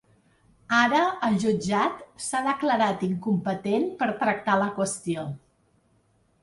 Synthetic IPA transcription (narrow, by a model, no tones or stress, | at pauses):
aɾəəʒud͡ʒat̪saðəkləɾat̪iŋkumpət̪enpəɾt̪ɾək̚t̪aləkwəst̪io